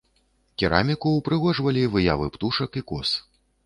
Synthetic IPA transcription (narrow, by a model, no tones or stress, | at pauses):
kʲiɾa̰mʲikuwpɾɨɣɔʐvɐlʲivɨja̰vɨpt̪uʂɐkikɔs